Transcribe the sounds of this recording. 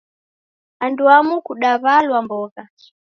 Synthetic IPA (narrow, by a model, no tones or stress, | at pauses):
anduamukuɗaβalwambɔːka